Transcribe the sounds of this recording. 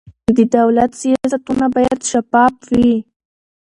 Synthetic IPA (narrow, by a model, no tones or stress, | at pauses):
d̪ɪd̪awlat̪sijaaːsat̪ʊnabajat̪ʃapaːpwi